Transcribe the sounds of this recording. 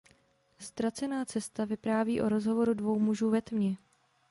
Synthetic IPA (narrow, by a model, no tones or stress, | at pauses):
st̪ɾat͡sɛnaːt͡sɛst̪avɪpɾaːviːʔo̞ɾo̞zɦo̞vo̞ɾudvo̞wmuʒuːvɛt̪mɲɪ